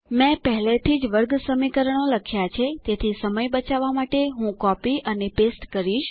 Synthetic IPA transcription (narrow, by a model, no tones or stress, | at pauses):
mɛ̃pəɦlet̪ʰid͡ʒʋəɾɡsəmikəɾəɳ̃oləkʰjat͡ʃʰet̪et̪ʰisəməjbət͡ʃaʋamaʈeɦũkɔpiənepesʈkəɾiʃ